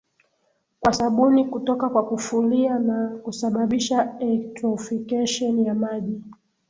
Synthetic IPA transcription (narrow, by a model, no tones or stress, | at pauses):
kwasaɓunikutɔkakwakufulianakusaɓaɓiʃaɛlɛktɾɔfikɛʃɔnjamaʄi